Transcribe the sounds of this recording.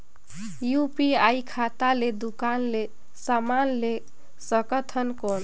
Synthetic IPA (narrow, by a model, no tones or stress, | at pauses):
jupiajkʰat̪aled̪ukanle | samanle | səkət̪ʰənkɔn